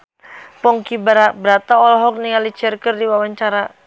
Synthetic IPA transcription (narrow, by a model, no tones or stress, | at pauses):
pɔŋkibəɾabɾat̪aɔlaɦɔk̚niŋalit͡ʃɛrkərdiwawaɲt͡ʃaɾa